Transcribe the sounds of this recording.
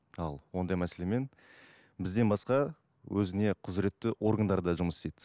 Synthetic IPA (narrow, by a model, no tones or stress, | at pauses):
ɑlˠwo̞nd̪ɑjmæse̞le̞me̞n | bɪzd̪e̞nbɑsqɑ | wʔɵzɪne̞qʰʊzɾe̞t̪ːɪʔo̞rɡənd̪ɑɾd̪ɑʒʊməst̪ed̪ɪ